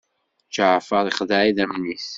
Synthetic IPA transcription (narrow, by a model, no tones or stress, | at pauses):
t͡ʃaʕfəðˤiχðaʕiðæmniθ